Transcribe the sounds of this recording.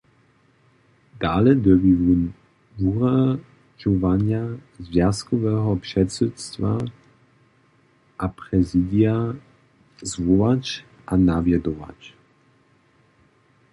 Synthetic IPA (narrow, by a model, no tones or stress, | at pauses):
d̪̥aːlɛd̪ɛvivun | vuʁa | ʒɔvaɲjazvjaskɔvɛːɦɔpʂɛtsut̪st̪va | ʔapʁɛzid̪ija | zvɔvac | ʔanavjɛd̪ɔva̰c